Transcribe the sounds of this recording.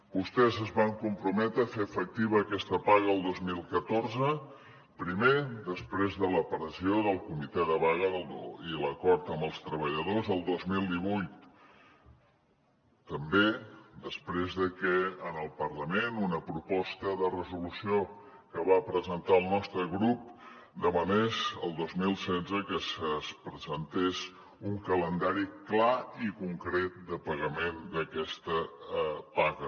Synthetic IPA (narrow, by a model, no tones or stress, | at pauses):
bust̪ɛzəzβaŋkumpɾumɛt̪ɾəfefək̚t̪iβəːkɛst̪əpaɣəːlˠd̪ozmilˠkət̪orzə | pɾimed̪əspɾezðələpəɾəsioðəlˠkumit̪ɛðəβaɣ̞əðəlˠd̪o̰iləkɔɾt̪əməlˠst̪ɾəβ̞əʎəðozðəlˠd̪ozmilˠd̪iβ̞ujt̪ | əmbed̪əspɾezðəkɛənəlˠpərləmenunəpɾupɔst̪əðərəzulusio | kəβapɾəzənt̪aəlˠnɔst̪ɾəɣɾup̚ | d̪əβənesəlˠd̪ozmilˠsɛd͡zəkəsəspɾəzənt̪es | uŋkələnd̪aɾiklaikuŋkɾɛt̪̚d̪əpəɣəmend̪əkɛst̪ə | paɣə